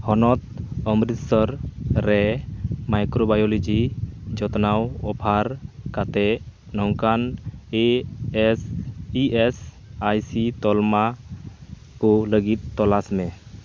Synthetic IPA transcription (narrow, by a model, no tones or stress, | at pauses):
hɔnɔt̪̚ɔmɾit̪sɔɾɾɛmajkɾobajɔlid͡ʒid͡ʒɔt̪nawɔpʰaɾkat̪ɛ | nɔŋkane | siɛs | ajsit̪ɔlma | kɔləɡit̪̚ːɔlasmɛ